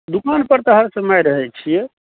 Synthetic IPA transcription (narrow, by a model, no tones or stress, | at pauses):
d̪ukanpəɾt̪əɦəɾsẽmajɾəɦɛt͡ʃʰijɛ